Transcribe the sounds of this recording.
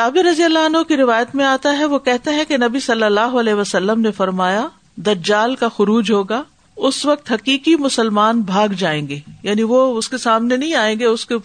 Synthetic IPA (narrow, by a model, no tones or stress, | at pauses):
t̪aːbiɾɐzijəlːaɐnɦõkiɾɪʋaːjət̪mẽaːt̪aɦɛʋokɛɦt̪eɦɛ̃kenɐbisɐlːəlːaːɦoɐlɛːɦʋəsɐlːəmnefɐɾmaːja | d̪ɐd͡ʒaːlkaxʊɾuːd͡ʒɦoːɡaː | ʊsʋɐk̚t̪ɦɐkiːkimʊsəlmaːnbʱaːɡd͡ʒaːẽːŋɡeːjaːniʋoʊskesaːmnenɐɦĩaːẽːŋ̆ɡeʊske